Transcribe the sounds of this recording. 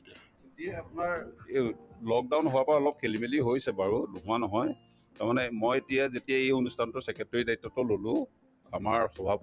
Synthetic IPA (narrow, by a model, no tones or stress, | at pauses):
etijaapʊnaɹ | lɔk̚dawnɦowapaɹaɔlɔp̚kʰelimeliɦojsɛbaɹulṵɦʊ̃anɔɦɔj | taɹmanɛmɔjetijazetijaejonustʰantʊsɛkɛtːɔɹidajitːɔtɔlolʊ̃ | amaɹxɔbʱab